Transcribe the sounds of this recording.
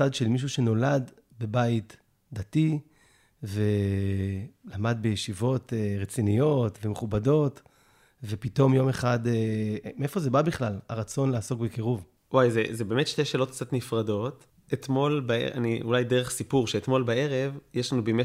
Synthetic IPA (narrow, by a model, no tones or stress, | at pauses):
adʃelmiʃ̬uʃe̞no̞lad | be̞bait | d̪ati | ve̞ | lamadbejeʃivo̞teʁet͡sinijo̞tvemeχubado̞t | vepito̞mjo̞meχademeefo̞zebabiχlala̰ʁat͡so̞nleaso̞kbekiʁuv | wajzezebeːmetʃt̪eʃeːlo̞t̚k̚t͡sat̪nifʁado̞t | et̪mo̞lbaḛa̰niulajdeʁeχsipuʁʃeet̪mo̞lbaeʁevjeʃlanubime